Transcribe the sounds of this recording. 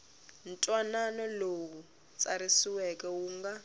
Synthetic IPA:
n̩tʼwananɔloku | t͡sʼaɾisiwɛkɛuːŋɡa

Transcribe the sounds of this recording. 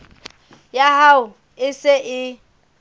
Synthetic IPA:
jaɦaʊ | ɪsɪʔɪ

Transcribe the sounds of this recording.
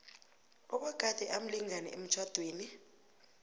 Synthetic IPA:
ɔɓɔɡ̥ʱad̥ʱɛʔam̩liŋanɛ̰em̩t͡ʃʰwad̥ʱweːni

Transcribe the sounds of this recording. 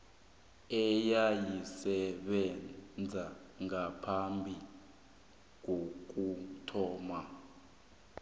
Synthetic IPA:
ɛjajisɛɓɛd͡zʱaŋapʰambʱi | ŋok̬utʰɔːma

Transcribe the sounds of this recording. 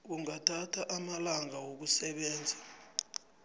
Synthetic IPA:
k̬uŋatʰatʰaʔamalaŋawok̬usɛɓɛːnd͡zʱḁ

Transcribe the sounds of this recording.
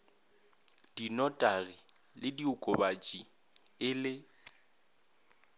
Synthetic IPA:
d̥inɔtʼaɣilɪdiʊkʼʊbat͡ʃʼi | ɪlɪ

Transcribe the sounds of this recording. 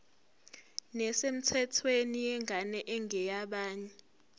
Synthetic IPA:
nɛsem̩tʰɛtʰwenijɛŋʱanɛʔɛŋɛjaɓaːɲɛ

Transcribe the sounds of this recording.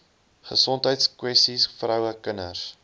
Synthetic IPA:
χəsɔntɦəjtskwɛstisfrœwəkənə̰s

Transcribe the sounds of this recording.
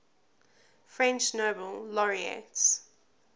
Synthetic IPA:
fɹɛ̃nt͡ʃnoːbəllɔɹiḛts

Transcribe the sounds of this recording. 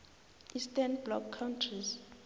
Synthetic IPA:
ʔistanblɔkʰːawntʰriz

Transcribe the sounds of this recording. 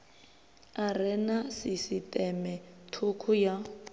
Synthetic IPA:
arɛnasisitʼɛmɛtʰukʰʊja

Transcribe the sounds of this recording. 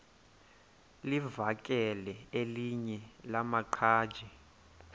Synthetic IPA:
livak̬ʼɛlɛeliɲɛlamaǃʰaːd̥ʒ̥ʱɛ

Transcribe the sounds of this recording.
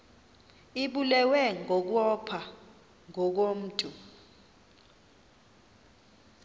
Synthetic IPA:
iɓulɛwɛŋʱɔk̬wɔpʰa | ŋʱɔk̬om̩ːtʼu

